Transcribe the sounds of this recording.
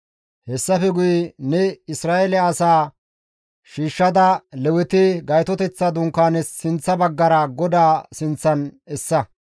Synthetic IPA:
hɛsːɐfɛɡʊjnɛɪsɾaːʔɛlɛɐsaː | ʃiːʃːɐd̪ɐlɛwɪt̪ɪɡɐjt̪ɔt̪ɛt͡sːɐd̪ʊŋkːaːnɛsːɪnt͡sːɐbɐɡːɐɾɐɡɔd̪aːsɪnt͡sːɐnɛsːɐ

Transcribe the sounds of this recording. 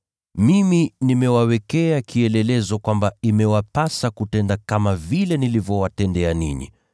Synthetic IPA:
miminimɛwawɛkɛakʰiɛlɛlɛzɔkwambaimɛwapasakutɛndakamavilɛnilivjɔwatɛndɛaninḭ

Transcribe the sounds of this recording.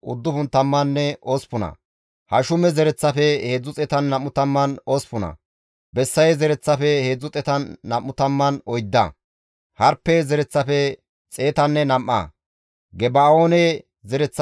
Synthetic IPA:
ʊd̪ːʊfʊnt̪ɐmːɐnːɛʔoːspʊnɐ̰ | hɐʃʊmɛzɛɾɛt͡sːɐfɛhe̞ːd͡zʊt͡sʼɛt̪ɐnːɐmːʊt̪ɐmːɐnoːspʊnɐ̰ | bɛsːɐjzɛɾɛt͡sːɐfɛhe̞ːd͡zːʊt͡sʼɛt̪ɐnːɐmːʊt̪ɐmːɐnɔjd̪ːɐ̰ | hɐɾpːɛzɛɾɛt͡sːɐfɛ | t͡sʼe̞ːt̪ɐnːɛnɐmʔːɐ̰ | ɡɛbaːoːnɛ | zɛɾɛt͡sː

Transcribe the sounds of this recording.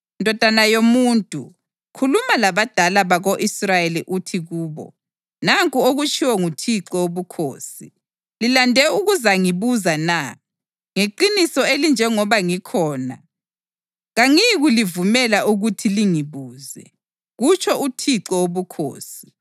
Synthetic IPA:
ndʱɔd̥ʱanajomuːntʼṵ | kʰulumalaβad̥ʱalaβaɣoʔisrajeliʔutʰiɣuːβɔ̰ | naŋkʼuoɣut͡ʃʰʼiwɔŋutʰiǃɔoβukʰo̰ːsi | lilandʱɛuɣuzaŋiβuzana | ŋeǃinisɔelind͡ʒʱɛŋɔβaŋikʰɔːna̰ | ɣaŋiɣulivumɛlaʔuɣutʰiliŋiβuːzɛ̰ | ɣut͡ʃʼʰɔʔutʰiǀɔoβukʰo̰ːsi̥

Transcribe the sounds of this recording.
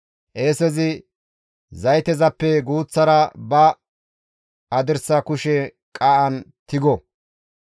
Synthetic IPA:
ʔeːsɛzɪ | zɐjt̪ɛzɐpːɛɡuːt͡sːɐɾɐbɐ | ɐd̪ɪɾsɐkʊʃɛ | kʼɐʔɐnt̪ɪɡɔ

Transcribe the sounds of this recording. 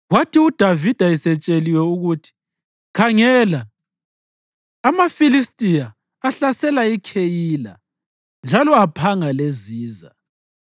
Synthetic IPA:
ɣwatʰiud̥ʱavid̥ʱaisɛt͡ʃʼeliwɛuɣutʰi̥ | kʰaŋɛːla | mafilistʼijaː | ɬasɛlaikʰejiːla̰ | nd͡ʒʱalɔapʰaŋaleziːza̰

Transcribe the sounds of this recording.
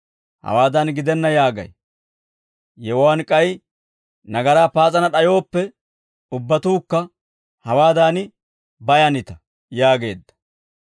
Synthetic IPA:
hɐ̰waːd̪anɡɪd̪ɛnːɐjaːɡɐ̰j | jɛwwaːnkʼɐj | nɐɡɐɾaːpaːt͡sʼɐnɐɗɐjo̞ːpːɛ | ʊbːɐt̪uːkːɐ | hɐwaːd̪aːn | bɐjɐnɪt̪ɐ | jaːɡe̞ːd̪ːɐ̥

